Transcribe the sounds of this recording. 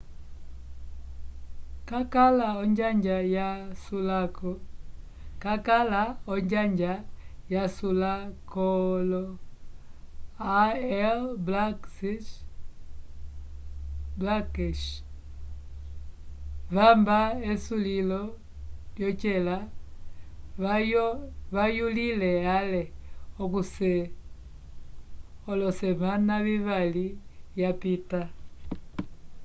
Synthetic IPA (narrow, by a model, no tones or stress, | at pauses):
kakalaɔɲd͡ʒaɲd͡ʒajasulakɔ | kakalaɔɲd͡ʒaɲd͡ʒajasulakɔlɔ | aɛlblasi | blakɛʃ | βambaesulilɔ | ljɔt͡ʃela | βajulilɛaleokusɛ | olɔsɛmanaβiβalijapita